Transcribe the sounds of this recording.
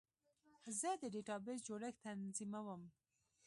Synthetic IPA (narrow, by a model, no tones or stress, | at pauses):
zəd̪əɖeʈɑbezd͡ʒoɽəxt̪anzimawəm